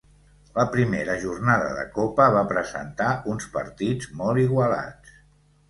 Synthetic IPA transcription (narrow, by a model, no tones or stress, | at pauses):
ləpɾimeɾəʒurnaðə̰ðə̰kopəβapɾəzə̰nt̪aunspəɾt̪id͡zmɔlˠiɣwəla̰t͡s